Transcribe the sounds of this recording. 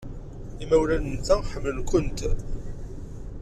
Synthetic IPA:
imæwlænənt͡sːæħəmːəlkʷʊnt̪

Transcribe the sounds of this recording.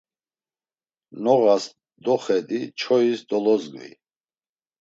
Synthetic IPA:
nɔɣas | d̪ɔχɛd̪it͡ʃʰɔisd̪ɔlɔzɡvḭ

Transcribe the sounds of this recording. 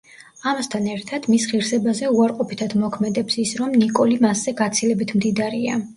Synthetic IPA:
amast̪ʰanɛɾt̪ʰad̪̥misχiɾsɛbazɛuaɾqʼɔpʰit̪ʰad̪mɔkʰmɛd̪ɛpsisɾɔmnikʼɔlimasz̥ɛɡat̪sʰilɛbit̪ʰmd̪id̪aɾia̰

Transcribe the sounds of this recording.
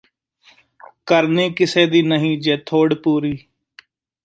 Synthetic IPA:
kəɾneːkɪseːd̪iːnəɦĩːd͡ʒeːt̪ʰoːɽpuːɾiː

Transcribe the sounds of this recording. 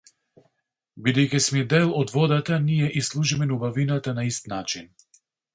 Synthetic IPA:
bid̪ɛjkɛsmɛd̪ɛlˠɔd̪vɔd̪at̪anijɛʔislˠuʒimɛnubavinat̪anaist̪nat͡ʃin

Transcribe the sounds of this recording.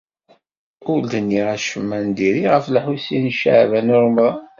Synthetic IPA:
ʊɾd̪ənːiʁæʃəmːænd̪iɾiʁəflħusinʃə̰ʕvænʊɾˤm

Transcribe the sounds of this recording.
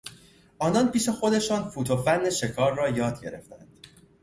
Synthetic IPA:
ʔɒːnɒːnpʰiːʃe̞xo̞d̪e̞ʃɒːnfuːt̪ʰofænːe̞ʃe̞kʰɒːɾːɒːjɒːd̪̚ɟe̞̰ɾe̞̰ft̪æ̰nd̪̥

